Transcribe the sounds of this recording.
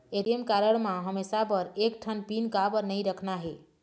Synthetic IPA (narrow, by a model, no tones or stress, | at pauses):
eɾiemkaɾəɽmãɦəmesapəɾek̚ʈʰənpinkabəɾnəjɾəkʰnaɦe